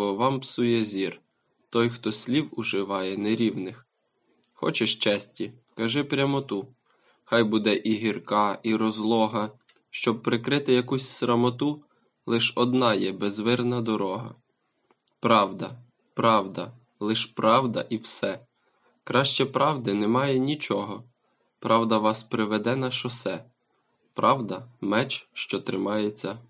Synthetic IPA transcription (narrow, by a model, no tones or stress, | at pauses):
ɔʋɑmpsujɛzʲir | t̪ɔjxt̪ɔsʲlʲiwʊʒɪʋɑjɛneɾʲiwnɪx | xɔ̰t͡ʃɛʃt͡ʃɛsʲtʲi | kɐʒɪpɾʲɐmɔt̪u | xɑjbud̪ɛʔiɦirkɑʔiɾɔzlˠɔɦɐ | ʃt͡ʃɔb̚pɾɪkɾɪt̪ɪjɐkusʲsɾɐmɔt̪u | lˠɪʃɔd̪nɑjɛbɛzʋɪrnɐd̪ɔɾɔɦɐ̰ | pɾɑwd̪ɐ | pɾɑwd̪ɐ | lˠɪʃpɾɑwd̪ɐ̰ʔiwsɛ | kɾɑʃt͡ʃɛpɾɑwd̪ɪnɛmɑjɛnʲit͡ʃɔɦɔ | pɾʔɑwd̪ɐʋɑspɾɪʋɛd̪ɛnɐʃɔsɛ | pɾʔɑwd̪ɐmɛt͡ʃʃt͡ʃɔt̪ɾɪmɑjet͡sʲːɐ